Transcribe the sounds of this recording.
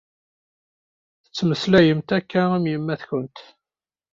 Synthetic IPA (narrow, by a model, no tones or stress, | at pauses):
θə̥t͡sːməslæjəmt̪ækːææmjəmːæθçənt̪